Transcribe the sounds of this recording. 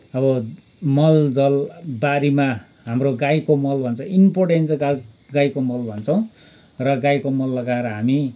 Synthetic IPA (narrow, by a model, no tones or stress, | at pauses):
ʌbʌ | mʌld͡zʌlbaɾima | ɦamroɡajkomʌlbʱʌnt͡sʰʌimporʈent͡sa | ɡajkomʌlbʱʌnt͡sʰʌw̃ | rʌɡajkomʌlːʌɡaeɾʌɦami